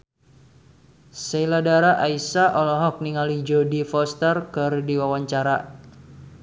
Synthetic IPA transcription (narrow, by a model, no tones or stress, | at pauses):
sɛiladaɾaʔaisaʔɔlɔɦɔk̚niŋalid͡ʒɔdifɔst̪ərkɨrdiwawaɲt͡ʃaɾa